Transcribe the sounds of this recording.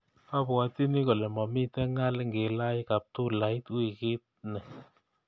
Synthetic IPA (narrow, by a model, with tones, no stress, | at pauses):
pa˦pa˨ti˦ni˦kɔ˨lɛ˨mɔ˨mi˦tɛ˦ŋa˦lŋɡe˨la˦jka˨p̚tu˦la˨˦ɪ˦twi˨kɪ˦t̚nɛ˨